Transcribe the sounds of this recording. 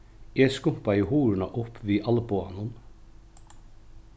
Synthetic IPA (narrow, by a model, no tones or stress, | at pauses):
jɛskʊm̥paɪɦuːɾɪnaʔʊpviːʔalpua̰nʊn